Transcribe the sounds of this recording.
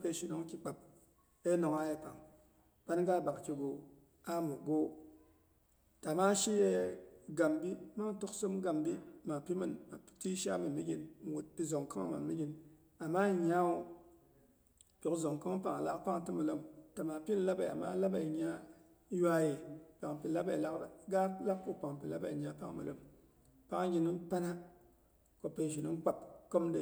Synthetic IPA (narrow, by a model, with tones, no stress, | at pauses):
pe˨ʃi˨no˦ŋ˦kʲi˨k͡pa˨p̚ | e˦no˨ŋa˦je˦pa˨ŋ | b̥a˦nɡa˦˨ba˨kkʲi˨ɡo˨ | a˦mu˨ɡo˦ | ta˨ma˦ʃi˦je˦ɡa˨mbi˦ma˦ŋ˦to˦kso˦m˦ɡa˨mbi˦ma˨pi˦mɨ˨nma˨˦ti˦ʃa̰˦mɨ˨nmi˦ɡʲi˦n˨wu˨t̚pi˨zo˨ŋka˦ŋa̰˦˨ma̰˨nmi˦ɡʲi˦n | a˨maː˦ɲa˦u˦ | po˨kzo˨ŋka˦ŋ˦pa˨ŋa˨la˦ʔpa˦ŋtɨ˦mɨ˨lo˦mta˨maː˨pi˦n̩˦la˦ba˨ja̰˨ma̰ː˦la˦ba˨i˨ɲ˦a˦ | ja˦je˨pa˨ŋpi˨la˦ba˨la˦˨ɡa˦la˦kpo˦pa˨ŋpi˨la˦ba˨ɲ˦a˦pa̰˦ŋ˦mɨ̰˨lo̰˦m | pa˦ŋa˦ɡʲi˦nɨ˦m˦pa˦na˦ | ko˨pe˨ʒi˨nɨ˦m˦k͡pa˨pko˦mdɨ˦